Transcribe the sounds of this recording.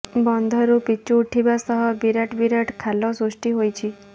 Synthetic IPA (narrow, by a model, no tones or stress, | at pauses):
bɔnd̪ʱɔɾupit͡ʃuːʈʰibasɔɦɔbiɾaʈbiɾəʈkʰalɔsusʈiɦojt͡ʃʰi